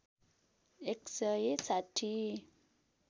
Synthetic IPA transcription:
eksəjesaʈʰi

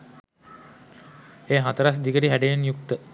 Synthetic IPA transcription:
eːɦat̪əɾas̬d̪ikəʈiɦæɖejenjukt̪ə

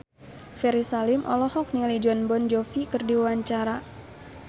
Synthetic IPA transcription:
fɛɾisalɪmʔɔ̰lɔhɔk̚nilid͡ʒɔnbɔnd͡ʒɔfikɨrdiwuwaɲt͡ʃaɾa

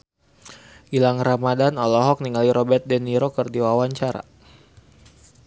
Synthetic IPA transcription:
ʔilaŋramadanɔlɔɦɔk̚niŋaliɾɔbɛrt̪̚dɛniɾokərdiwawaɲt͡ʃaɾa̰

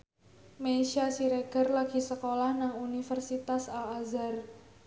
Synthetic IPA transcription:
meʃasiɾeɡ̥ərlaɡ̥i̤səkolahnaŋunifərsit̪asalazar

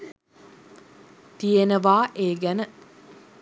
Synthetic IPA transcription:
t̪ijenəʋaːʔeːɡænə

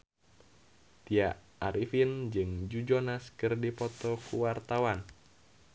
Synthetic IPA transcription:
t̪iaʔ | aɾifind͡ʒɨŋd͡ʒud͡ʒonaskɨrdipɔt̪ɔkuwart̪awan

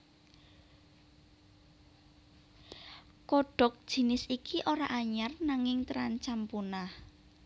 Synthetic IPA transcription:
kɔɖ̥ɔ̤k̚d̥ʒ̥i̤nɪsikiʔoɾaʔaɲarnaŋɪŋt̪əɾant͡ʃampunah

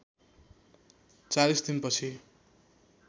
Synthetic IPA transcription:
t͡salisd̪inpʌt͡sʰi

